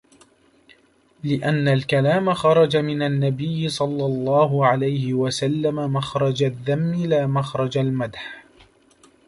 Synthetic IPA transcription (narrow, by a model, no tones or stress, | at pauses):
lɪʔanːalkalaːmaxɑɾˤɑd͡ʒamɪnanːabɪjːɪsˤɑlːɑlˤːɑːɦʊʕalajhɪwasalːamamaxɾˤɑd͡ʒaðːamːɪlaːmaxɾˤɑd͡ʒalmad̪ħ